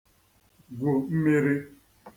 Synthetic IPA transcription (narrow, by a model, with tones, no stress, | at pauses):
ɡʷʊ˨m̩˦me˦ɾi˦